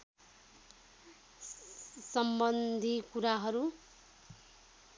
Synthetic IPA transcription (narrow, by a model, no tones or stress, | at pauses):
sʌmbʌnd̪ʱikuɾaɦʌɾu